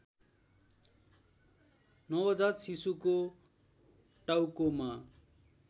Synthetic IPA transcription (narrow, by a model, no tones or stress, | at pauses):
nʌwʌd͡zarsisuko | ʈawkoma